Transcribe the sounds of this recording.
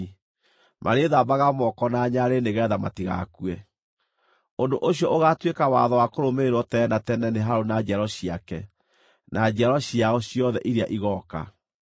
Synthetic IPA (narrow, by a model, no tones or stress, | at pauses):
mʔa̰ɾeðabaɣamɔkɔnaɲaɾeneɣɛðama̰tiɣa̰kuwɛ | ondoʔoɕjɔʔoɣatwekawa̰ðɔwakoɾomeɾwɔtɛnatɛnɛneɦaɾonad͡ʒɛɾɔɕiakɛ | nʔad͡ʑɛɾɔɕiaɔɕiɔðɛʔiɾeaʔiɣɔka̰